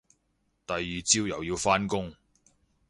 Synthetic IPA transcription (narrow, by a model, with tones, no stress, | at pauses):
t̪ɐ˨jːyː˨t͡si˥wjɐ˨˩wjiː˧wfaː˥nkʊ˥ŋ